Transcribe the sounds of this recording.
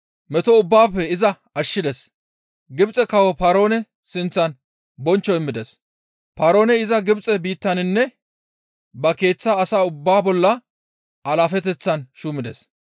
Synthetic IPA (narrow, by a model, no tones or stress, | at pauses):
mɛt̪ɔʊbːaːfɛɪzɐ | ɐʃːɪd̪ɛs | ɡɪbt͡sʼɛkɐwɔpaːɾo̞ːnɛ | sɪnt͡sːɐn | bɔnt͡ʃːɔɪmːɪd̪ɛs | paːɾo̞ːnɛɪzɐɡɪbt͡sʼɛbiːt̪ːɐnɪnːɛ | bɐke̞ːt͡sːaːsaːʊbːaːbɔlːɐ | ʔɐlaːfɛt̪̬ɛt͡sːɐnʃuːmɪd̪ɛs